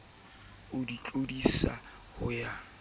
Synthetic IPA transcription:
ʊdit͡ɬʼodisa̰ | hʊja

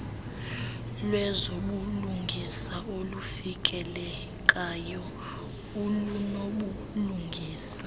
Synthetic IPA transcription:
lwɛzoɓuluŋɡʱisaolufik̬ʼɛlɛ | kʼajɔ | ulunoɓu | luŋɡʱiːsḁ

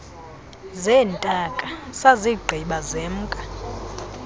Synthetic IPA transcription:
zɛːntʼakʼasaziɡ͡ǃʱiɓazem̩ːkʼa

